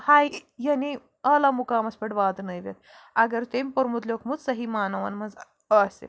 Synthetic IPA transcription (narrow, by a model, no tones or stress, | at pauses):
hajjɐni | ɐlamukaːmɐspɐʈʋaːd̪nəjʋʲḛt̪̚ | ɐɡɐɾt̪emʲpoɾmut̪lʲokmut͡s̪sɐɦimaːnɐʋɐ̰nmɐnz | əsḛ